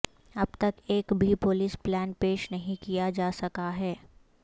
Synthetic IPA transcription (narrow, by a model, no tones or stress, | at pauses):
ɐb̚t̪ɐkeːkbʱipʊlɪsplɛːnpeːʃnɐɦĩkijad͡ʒaːsɐkaɦɛː